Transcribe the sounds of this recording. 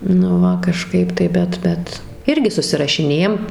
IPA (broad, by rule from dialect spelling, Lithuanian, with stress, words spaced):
nʊ ˈʋɐ kɐˈʃkɐɪp tɐɪ ˈbʲɛt ˈbʲɛt ˈɪrʲɡʲɪ sʊsʲɪrɐʃʲɪˈnʲeːjɛm